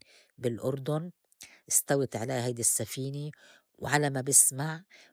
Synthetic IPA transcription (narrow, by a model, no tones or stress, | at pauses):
bɪlʔʊɾd̪ʊn | ʔɪst̪awɪt̪ʕaleːɦajd̪ɪsːafiːni | wʕalamabɪsmaʕ